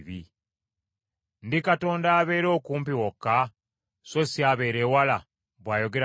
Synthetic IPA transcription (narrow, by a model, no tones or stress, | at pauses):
βi | ndikato̞ːndaːβe̞ːɾo̞ːkuːmpiwokːa | sosiaβe̞ːɾeːwala | βwaːjo̞ɡe̞ɾ